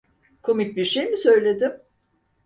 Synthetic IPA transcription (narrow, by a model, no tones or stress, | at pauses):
kʰo̞mic̚biɾʃejmisø̞jlʲe̞d̪ɪm